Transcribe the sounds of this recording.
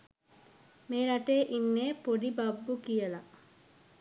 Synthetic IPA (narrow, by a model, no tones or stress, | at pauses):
meːɾaʈeːʔinːeːpoɖibabːukijəla